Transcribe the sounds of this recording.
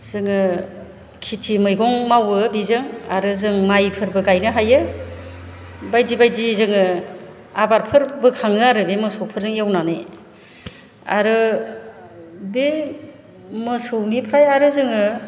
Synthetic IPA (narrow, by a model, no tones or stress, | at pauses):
zɯŋɯ | kʰitʰimɯjɡɔŋmawɯbizɯŋa̰ɾɯzɯŋmajpʰɯɾbɯɡajnɯɦajɯ | bajdibajdizɯŋɯ | abaɾpʰɯɾbɯkʰaŋɯaɾɯbemɯsowpʰɯɾzɯŋjawnane | a̰ɾɯ | be | mɯsɯwnipʰɾajaɾɯzɯŋɯ